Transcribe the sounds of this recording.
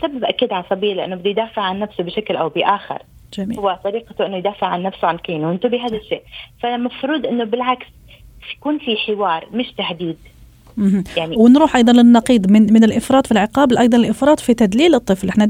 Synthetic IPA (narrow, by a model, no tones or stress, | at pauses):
sabːabʔakːiːd̪ʕalsˤɑbiːlɪʔɪnːʊbɪd̪ːijd̪aːfɪʕʕanːafsʊbɪʃaklʔawbɪʔaːxɪ̰ɾˤ | d͡ʒamiːhʊwːat̪ˤɑɾiːqat̪ʊʔɪnːʊjd̪aːfɪʕʕanːafsʊʕankiːnuwʔɪnt̪ʊbiɦaːd̪aʃːeːʔfamafɾuːd̪ʔɪnːʊbɪlʕaks | jkuːnfiħɪwɑːɾˤmɪʃt̪ahd̪iːd̪ | m̩hjaʕniwɪnɾuːħʔɑjd̪ˤɑnlɪnːɑqiːd̪ˤmɪnmɪnɪlʔɪfɾˤɑːt̪ˤfilʕɪqɑːblʔɑjd̪ˤɑlɪlʔɪfɾˤɑːt̪ˤfit̪ad̪liːlɨt̪ˤːɨflʔɪħna